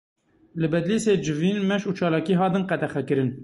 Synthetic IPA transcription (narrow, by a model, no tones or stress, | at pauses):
lɨbɛd̪liːseːd͡ʒɨviːnmɛʃuːt͡ʃʰɑːlɑːkiːɦɑːt̪ɨnqɛt̪ɛxɛkɨɾɨn